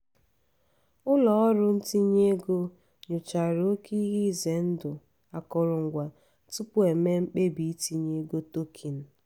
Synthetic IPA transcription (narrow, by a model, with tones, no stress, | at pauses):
ʊ˦lɔ˨ɔ˦ɾʊ˦n̩˦ti˦ɲe˦ɡo˦ | ɲʊ˨t͡ʃa˨ɾo˦ki˦i˦ɦi˦˨ze˨˦n̩˦dʊ˨ | a˨kɔ˨ɾʊ˨ŋ̩˨ɡʷa˨ | tʊ˦pʊ˦e˨me˦ŋ͡m̩˦k͡pe˦bi˨i˦ti˦ɲe˦ɡo˦to˦kʰi˨n̩˦